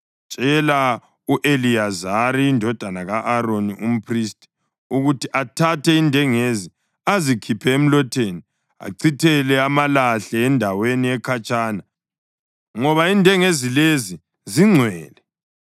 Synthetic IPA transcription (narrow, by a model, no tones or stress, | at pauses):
t͡ʃʼɛla | uʔeliazaɾiːndʱɔd̥ʱanaɣaʔːɾonium̩pʰristʰʼi̥ | uɣutiʔatʰatʰɛindʱɛŋezi | azikʰipʰɛem̩lɔtʰeːni | a̰ǀʰitʰɛlɛamalaɬɛːndʱaweniɛkʰat͡ʃʼaːna | ŋɔβaindʱɛŋezilezi | ziŋ͡ǀʱwɛːlɛ